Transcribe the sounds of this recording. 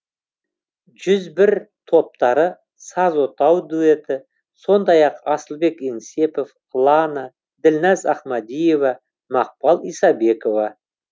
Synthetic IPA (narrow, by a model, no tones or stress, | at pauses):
ʒʏzbɪɾt̪ʰo̞p̚t̪ɑɾə | sɑzo̞t̪ɑwd̪ue̞t̪ɪ | so̞nd̪ɑjɑqɑsəlˠbe̞keŋse̞po̞f | lˠɑnə | d̪ɪlnɑzɑχmɑd̪ijevɑ | mɑq̚pɑlˠijsɑbe̞ko̞vɑ